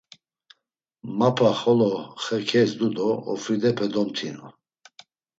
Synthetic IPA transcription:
mapʰaχɔlɔχɛkʰɛsd̪ud̪ɔɔ̰fid̪ɛpʰɛd̪ɔmt̪ʰinɔ̰

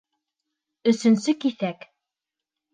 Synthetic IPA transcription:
ɵ̆sɵ̆nsɵkiθæk

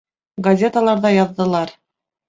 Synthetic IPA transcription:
ɡɐzʲe̞t̪əlˠɑɾðɑjɑðːɤ̆lˠɑɾ

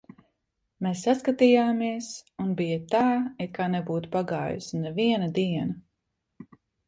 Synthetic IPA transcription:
mesːaskat̪ijaːmiɛsunbijat̪aːɛt̪̚kaːnɛbuːt̪u̥paɡaːjṵsnɛviɛnɐd̪iɛnɐ

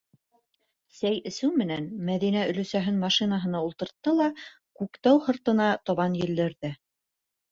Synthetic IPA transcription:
sæjɘ̆sɘwmɘ̆nænmæðinæɵ̆lɵ̆sæɦɘnmɑʃinɑɦɤ̆nɑulˠt̪ɤ̆ɾt̪ːɤlˠɑ | kʉkt̪æwhɤ̆ɾt̪ɤ̆nɑt̪ɑβɑnjɘ̆ld̪ɘ̆ɾðɘ

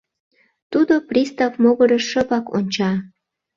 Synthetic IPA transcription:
t̪ud̪oprʲist̪ɑvmoɣəɾəʃəβɑkonʲt͡ɕɑ

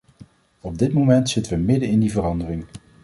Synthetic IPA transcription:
ɔb̚dɪtmomɛntsɪtəʋəmɪdənɪndivərɑndərɪŋ

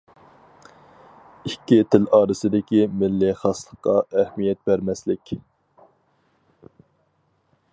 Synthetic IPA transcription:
ikʲːit̪ʰɪlɑːɾɨsɪd̪ɪkʲimɪlːɪχɑslˠəqːɑɛhmijɛt̪̚bæɾmɛslɪkʲ

